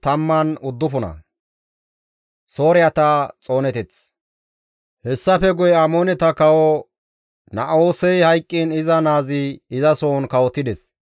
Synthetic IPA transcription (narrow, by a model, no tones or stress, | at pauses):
t̪ɐmːɐnʊd̪ːʊfʊnɐ̰ | so̞ːɾɪjɐt̪ɐt͡sʼo̞ːnɛt̪ɛt͡s | hɛsːɐfɛɡʊjɛɐmoːnɛt̪ɐkɐwɔ | nɐʔoːsɛjhɐjkʼːinɪzɐnaːzɪɪzɐsoːnkɐwɔt̪ːɪd̪ɛs